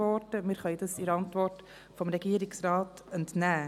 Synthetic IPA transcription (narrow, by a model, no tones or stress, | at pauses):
ɔtəmɪɾχɑid̪ɑsɪɾɑntvɔrt | fɔmɾɛɡ̥iːɾɪksɾɑːt | ɛntnæː